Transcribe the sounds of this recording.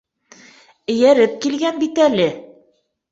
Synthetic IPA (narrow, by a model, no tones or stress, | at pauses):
ɘ̆jæɾɘp̚kilɡænbit̪ælɘ